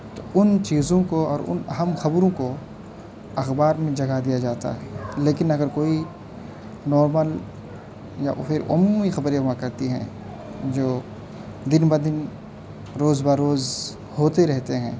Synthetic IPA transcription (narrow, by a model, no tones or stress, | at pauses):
t̪oʊnt͡ʃiːzõkoɔːɾʊ̰nɐɦəmxɐbɾõko | ɐxbaːɾmẽd͡ʒɐɡad̪ijad͡ʒaːt̪a̰ɦɛleːkɪnɐɡəɾkoːi | nɔːɾməl | ja̰ʔpʰɪɾʊ̰mːmixɐbɾemakɐɾt̪iɦɛ̰̃ː | d͡ʒoː | d̪ɪnbad̪ɪn | ɾoːzbaɾːoːz | hoːt̪eɾɛɦt̪eɦɛ̰̃ː